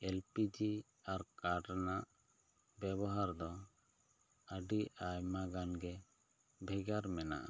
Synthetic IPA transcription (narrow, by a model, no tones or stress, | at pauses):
ɛlpid͡ʒi | aɾkaʈanaʔ | bɛbɔɦaɾd̪ɔ | əɖiajmaɡanɡɛ | bʱɛɡaɾmɛna̰ʔa